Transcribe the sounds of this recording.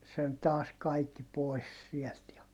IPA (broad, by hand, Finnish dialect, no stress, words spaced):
sen tɑːs kɑikːi poi̯s siɛlt jɑ